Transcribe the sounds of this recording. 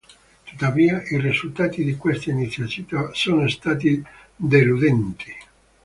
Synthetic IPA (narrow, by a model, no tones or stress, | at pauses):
t̪u̥t̪ːaviːaʔirizult̪aːt̪id̪ikwest̪ainit̪sːjat͡ʃ̪iːt̪asoːnost̪aːt̪̬i | d̪elud̪ɛnt̪i̥